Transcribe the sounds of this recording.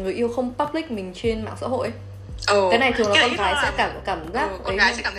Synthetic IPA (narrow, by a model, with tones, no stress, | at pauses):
ŋɨ˨˩əjʔi˧əwxə˧wŋ͡mpaː˦˥p̚lï˦˥k̟̚mï˨˩ŋ̟t͡ɕe˧nma̰ː˧˨ŋsa̰ː˧˥ho̰˧˨jʔ | kaː˨˦jna˨˩jt̪ʰɨ˨˩əŋnɔ˨˦kɔ˧nkaː˨˦jsɛ̰˧˥kaː˧˩m˨˩kaː˧˩mzaː˦˥kkaː˨˦˨